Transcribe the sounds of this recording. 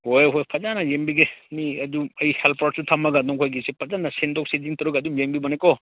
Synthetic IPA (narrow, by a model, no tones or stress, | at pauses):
hojɦojpʰɐzanajeŋbiɡemiɐduɐjihelpʰaʈ̚sutʰamɐɡadɔŋkʰojɡisepʰɐzanasentɔk̚sediŋtɔɾuɡɐdumjeŋbibɔnajkɔ